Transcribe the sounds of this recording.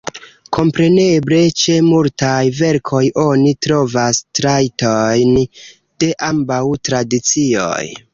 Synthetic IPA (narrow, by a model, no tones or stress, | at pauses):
kʰo̞mpɾe̞ne̞ble̞t͡ʃe̞multajve̞ɾkʰo̞jo̞nitɾo̞vastɾajtojn | d̥e̞ʔambawtɾadit͡sio̰j